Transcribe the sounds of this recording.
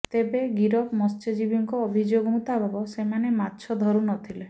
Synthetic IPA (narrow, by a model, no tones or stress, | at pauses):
t̪ebeɡiɾɔkmɔst͡ʃed͡ʒibiŋkɔːbʱid͡ʒoɡɔmut̪abʱɔbɔsemanematːʃʰɔd̪ʱɔɾunɔt̪ʰile